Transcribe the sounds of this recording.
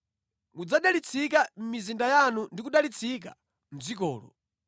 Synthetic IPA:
mud͡zaɗalit͡sʰikam̩mizindajanundik̬uɗalit͡sʰik̬a̰ | m̩zikɔːlɔ̰

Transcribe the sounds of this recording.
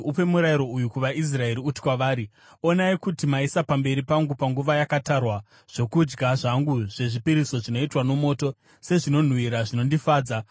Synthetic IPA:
upe̞muɾaiɾo̞ujukuʋaʔis̬rae̞ɾiuti̥kwaʋaːɾi | o̞naikutimaisapambe̞ɾipaŋɡupaŋɡuʋajakatarwa | ʐ̥o̞kud͡ʒɡaʐaŋɡuʐe̞ʐipiɾiso̞ʐino̞itwano̞mo̞ːto̞ | se̞ʐino̞n̤wiɾaʐino̞ndifaːd͡za

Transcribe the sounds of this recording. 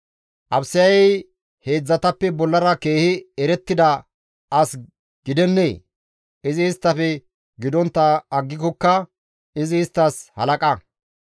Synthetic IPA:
ʔɐbsɪjɐjɛj | he̞ːd͡zːɐt̪ɐpːɛbɔlːɐɾɐke̞ːhɪɛɾɛt̪ːɪd̪ɐ | ɐs | ɡ̥ɪd̪ɛnːḛː | ɪzɪːst̪ːɐfɛ | ɡɪd̪ɔnt̪ːɐːɡːɪkɔkːɐ | ɪzɪːst̪ːɐshɐ̰lɐkʼɐ

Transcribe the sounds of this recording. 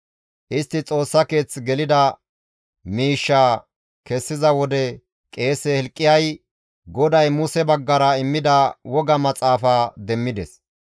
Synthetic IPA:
ʔɪst̪ːɪt͡sʼo̞ːsːɐke̞ːt͡sɡɛlɪd̪ɐ | miːʃːaː | kɛsːɪzɐwɔd̪ɛ | kʼe̞ːsɛhɛlkʼːɪjɐj | ɡɔd̪ɐjmʊsɛbɐɡːɐɾɐɪmːɪd̪ɐwɔɡɐmɐt͡sʼaːfaːd̪ɛmːɪd̪ɛs

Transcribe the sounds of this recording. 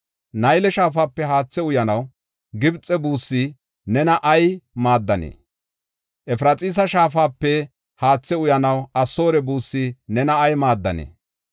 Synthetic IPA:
nɐjlɛʃaːfaːpːɛɦaːt͡sːɛʊjɐnɐw | ɡɪbt͡sʼːɛbuːsːi | nɛnɐʔɐjmaːd̪ːɐnḛː | ʔɛfɾɐt͡sʼiːs̬ɐʃaːfaːpːɛ | haːt͡sːɛʊjɐnɐwɐsːo̞ːɾɛbuːsːɪnɛnɐːjmaːd̪ːɐ̰nḛː

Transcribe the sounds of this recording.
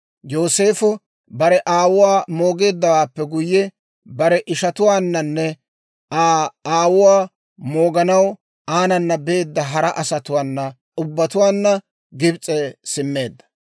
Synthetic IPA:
jo̞ːse̞ːfʊ | bɐɾɛʔaːwʊwaːmo̞ːɡe̞ːd̪ːɐwaːpːɛɡʊjːɛ | bɐɾɛʔɪʃɐt̪ʊwaːnːɐnːɛ | aːaːwʊwaː | mo̞ːɡɐnɐw | aːnɐnːɐbɛeːd̪ːɐɦɐɾɐʔɐsɐt̪ʊwaːnːɐ | ʔʊbːɐt̪ʊwaːnːɐ | ɡɪbt͡sʼɛsɪmːe̞ːd̪ːɐ̥

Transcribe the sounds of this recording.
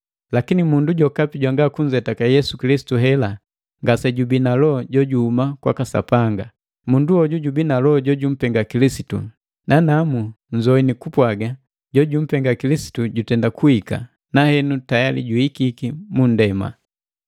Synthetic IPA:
lakinimunduɟɔkapiɟwaŋɡakuɲd͡ʒɛtakajɛsukilisi̥tuɦɛla | ŋɡasɛɟubinalɔɟɔɟuhumakwa̰kasa̰paŋɡa | munduɔɟuɟubinalɔɟɔɟum̩pɛŋɡakilisitṵ | nanamu | ɲd͡ʒɔinikupwaɡa | ɟɔɟum̩pɛŋɡakilisi̥tuɟutɛndakuika̰ | nahɛnutajalḭɟuikikimun̩dɛma̰

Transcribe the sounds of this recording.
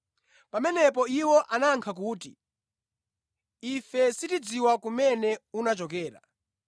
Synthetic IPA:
pamɛnɛpɔiwɔʔanaŋkʰak̬uːtḭ | ifɛsitid͡ziwakumɛnɛunat͡ʃɔkɛːɾa̰

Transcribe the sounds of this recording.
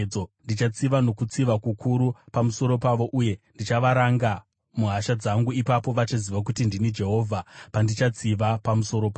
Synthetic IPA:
ondit͡ʃat͡siʋano̞kut͡siʋakukuɾupamuso̞ɾo̞paʋo̞ʔuje̞ndit͡ʃaʋaɾaŋɡa | muɦaʃad͡zaŋɡuipapo̞ʋat͡ʃaziʋak̬utindinid͡ʒe̞ɦo̞ːvʱapandit͡ʃat͡siʋapamuso̞ɾo̞pa

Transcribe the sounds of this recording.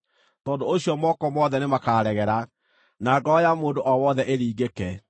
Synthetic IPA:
tɔːdooɕijɔmɔkɔmwɔðɛnemakaːɾɛɣɛɾa | naɡɔjamoːndoʔɔwɔðɛʔeɾiːɡekɛ

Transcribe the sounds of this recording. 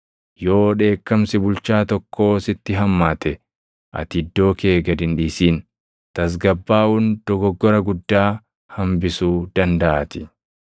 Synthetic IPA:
jo̞ːᶑe̞ːkːɐmsɪbʊlt͡ʃaːt̪ɔkʰːo̞ːsɪt̪ːɪɦɐmːaːt̪ɛ | ʔɐ̰t̪ɪd̪ːo̞ːke̞ːɡɐd̪ɪnᶑiːsiːn | t̪ɐs̬ɡɐbːaːʔʊnd̪̥ɔɡɔɡːɔɾɐɡʊd̪ːaː | hɐmbɪsuːd̪ɐnd̪ɐʔat̪ɪ̥

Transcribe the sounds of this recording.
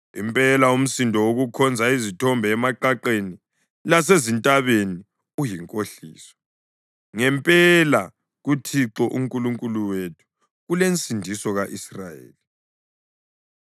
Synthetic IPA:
ḭmpʼɛlaum̩sindʱɔwoɣukʰɔnd͡zʱaizitʰɔmbʱɛːmaǃaǃeni | las̬ezintʼaβeni | ujiŋkʼoɬḭːsɔ̥ | ŋɛmpʼɛla | ɣutʰiǁɔʔuŋkʼuluŋkʼuluwetʰu̥ | ɣulent͡sʼindʱisɔɣaʔisra̰jḛːli

